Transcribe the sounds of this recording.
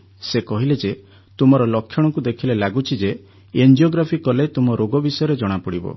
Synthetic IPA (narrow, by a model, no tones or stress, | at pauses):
sekɔɦiled͡ʒe | t̪umɔɾɔlɔkʰːjɔɽ̃ɔkud̪ekʰilelaɡut͡ʃʰid͡ʒe | end͡ʒioɡɾapʰikɔlet̪umɔɾoɡɔbisɔjɔɾed͡ʒɔɽ̃apɔɽibɔ̰